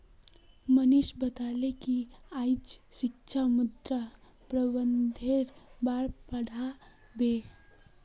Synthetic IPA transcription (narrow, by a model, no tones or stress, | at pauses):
mənɪʃbət̪aːlekiaɪd͡ʒsɪkʃʰamʊd̪ɾa | pɾəbənd̪ʱeɾbaɾpəɽ̤a | be